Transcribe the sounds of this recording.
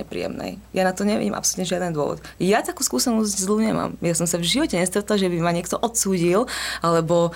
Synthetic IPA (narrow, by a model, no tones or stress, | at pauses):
ɛpɾḭːɛ̰mnɛ̰jjanat̪ɔɲɛʋḭɟḭːmʔa̰psɔlut̪ɲɛʒɪad̪ɛnd̪ʊɔ̰ʋɔ̰t̪jat̪akuːskuːsɛnɔzɟzluɲɛma̰ːmjasɔmsavʒiʋɔcɛɲɛst̪ɾɛt̪laʒɛbimaɲɪɛk̚t̪ɔʔɔt̪suːɟilalɛbɔ